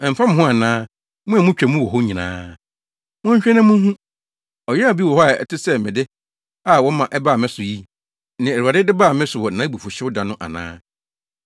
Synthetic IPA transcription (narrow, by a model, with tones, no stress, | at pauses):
ɛ˨m̩˨fa˦mʊ̃˨ɦʊ̃˦a˨nãː˦ | mũ˦a˨mʊ̃˦t͡ɕᶣɛ˨mũ˦wɔ˨ɦɔ˦ɲĩ˨nã̰ː˦ | mʊ̃˦ɲ̩˦ɕᶣɛ˦nã˦mũ˦ɦũ˦ | ɔ˨jɛ˦a˨bi˦wɔ˨hɔ˦a˨ɛ̰˨tʰɪ˦sɛ˦mɪ̃˨dɪ˦ | a˨wɔ˦mã˨ʔɛ˦baː˦˨mɪ̃˦sʊ˨ji˦ | nɪ̃˨ɛ˨u˨a˨dɪ˦dɪ˦ba˦˨mɪ̃˦sʊ˨wɔ˨nã˨˦bu˨fʊ˨ɕɪ˦ʊ˦dã˨nʊ̃˦ʔa̰˨nã̰ː˦